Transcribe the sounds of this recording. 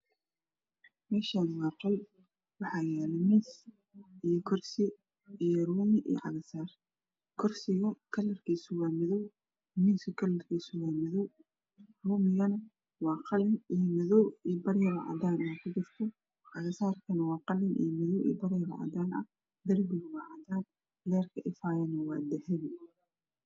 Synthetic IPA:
mɛːʃaːnwɑːqɑl | wɑħɑːjɛːlɛmis | ijɔkʰɔrsɪ | ijɔruːmɪʔḭːʕɑɣɐsaːr | kʰɔrsɪɣɐkʰɐlːɐrkʰiːsʊwaːmɪðɔw | miːsɐkʰɐlɐrkʰiːsʊwaːmɪðɔw | ruːmɪɣɐnɐ | wɑːqɑlɪnijmɪðɔwiːbɐɾɪjɐwɑ̰ʕ̰d̪aːnwaːkʰʊd͡ʒɪrt̪ʰɔ | ʕɑɣɐsaːrkʰɐnɐwɑːqɑlːɪnʔḭjmɪðɔwʔḭːbɐɾɪjɐwɑ̰ʕ̰d̪aːnɐ̰ | d̪ɐrbɪɣɐwɑʕɑd̪aːn | lɛːrkʰɐʔɪfaːjɐnɐwɑːd̪ɛhɛβɪ

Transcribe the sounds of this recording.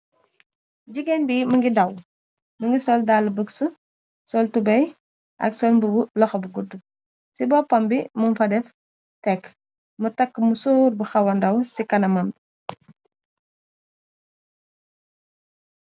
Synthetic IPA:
ɟiɡɛnbimuŋɡidɐw | məŋɡisɔldaːlːəbəksu | sɔltubɐj | ʔɐ̰ksɔlbubulɔxɔbuɡudːu | sibɔpɔmbimunfɐdɛf | tɛk | mutɐkːəmusuːrbuxɐwɐndɐwsikɐnɐmɐmbi

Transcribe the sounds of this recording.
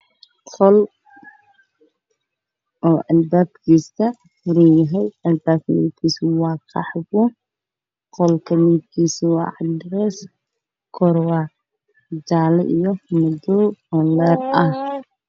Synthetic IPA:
qʰɔl | ʔɔːʔɐlbaːb̚kʰiːstɐ | fʊɾijɐɦɛjɐlbaːb̚kmḭːd̪kʰiːswɑːqʰɑħɡʊ | qɔlkʰɐmiːd̪kʰiːswɑ̰ːʕɑd̪ɾɛs | kʰɔɾwa | d͡ʒaːlɛʔijɔmʊd̪ɔɔlɛrɐh

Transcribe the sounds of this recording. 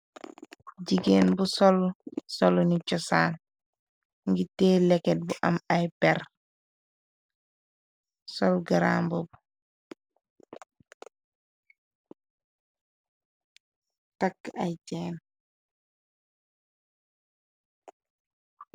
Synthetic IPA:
ɟiɡeːnbusɔlsɔlɔnit͡ʃɔsaːn | ŋɡitɛːlɛkːɛt̚buʔɐmajpɛr | sɔlɡaɾa̰ːmbɔbu | takːa̰jcɛːn

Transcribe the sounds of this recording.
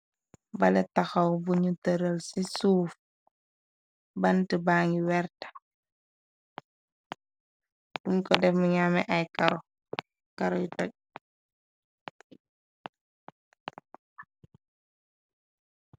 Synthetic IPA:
balɛtaxawbuɲutəɾəlsisuːf | bantibaːŋiwɛɾtḁ | dumkɔdɛfmuɲamɛʔajkaɾɔ | kaɾɔjutɔc̚

